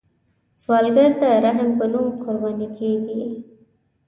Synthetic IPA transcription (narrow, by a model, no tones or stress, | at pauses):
swɑlɡaɾt̪aɾaɦɪmpənumqʊɾbɑnikʰeɡi